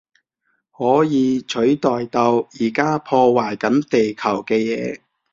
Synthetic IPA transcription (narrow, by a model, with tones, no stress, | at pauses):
hɔː˨˥jiː˨˧t͡ʃʰɵ˨˥ɥt̪ɔː˨jt̪ɐ˧wjiː˨˩kaː˥pʰɔː˧waː˨˩jkɐ˨˥nt̪e˨jkʰɐ˨˩wkɛː˧jɛː˨˧˥